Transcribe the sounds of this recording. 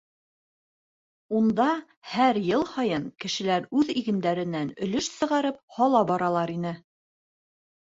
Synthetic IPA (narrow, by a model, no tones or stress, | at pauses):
und̪ɑ | hæɾjɤlˠhɑjɤŋkɘ̆ʃɘ̆læɾʉðiɡɘ̆nd̪æɾɘ̆nænɵ̆lɵʃsɤ̆ʁɑɾɤp̚hɑlˠɑbɒɾɑlˠɑɾinɘ